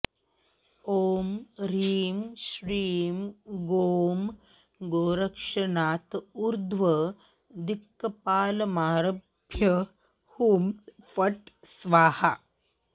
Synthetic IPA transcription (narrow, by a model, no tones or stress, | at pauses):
oːmɾiːmʃɾiːmɡoːm | ɡoːɾɐkʂɐnaːt̪uɾd̪ʱʋɐ | d̪ikːɐpaːlɐmaːɾɐbʱjɐ | humfɐʈsʋaːhɐ